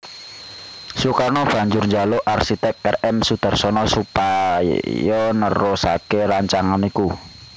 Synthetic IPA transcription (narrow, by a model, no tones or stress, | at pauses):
sukanɔb̥ä̤ɲd͡ʒʊrɲd͡ʒaloʔarsit̪ɛk̚ɛrʔɛmsud̪̥a̤rsɔnɔsupajɔnəɾosa̰keɾaɲt͡ʃaŋaniku